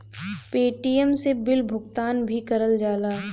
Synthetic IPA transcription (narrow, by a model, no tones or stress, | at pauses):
peːʈijəmsebɪlbʱʊɡt̪aːnbʱikɐɾəld͡ʒaːlaː